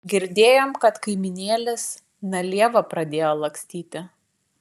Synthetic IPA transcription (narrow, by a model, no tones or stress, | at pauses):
ɡʲɪɾʲd̪ʲeːjoːmkɐt̪kɐɪmʲɪnʲeːlʲɪs | nɐlʲiɛʋɐpɾɐd̪ʲeːjoːlˠɐŋksʲt̪ʲiːt̪ʲɪ